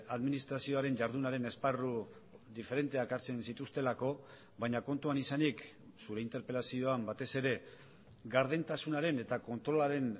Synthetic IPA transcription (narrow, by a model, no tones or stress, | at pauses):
aðminist̪ɾasio̞aɾe̞nʝaɾðunaɾe̞ne̞sparu | ðife̞ɾe̞nt̪e̞akaɾt͡se̞nsit̪ust̪e̞lako̞ | βajɲako̞nt̪uanisanik | suɾe̞int̪e̞ɾpe̞lasio̞ambat̪e̞se̞ɾe̞ | ɡaɾð̞ent̪asunaɾe̞ne̞t̪ako̞nt̪ɾo̞laɾe̞n